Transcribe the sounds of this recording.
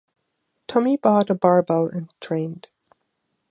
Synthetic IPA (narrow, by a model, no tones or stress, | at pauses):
tʰʌ̃mibɔɾəbɑɹbɛlˠɨ̃ntʰɹ̥ẽɪ̃nd̥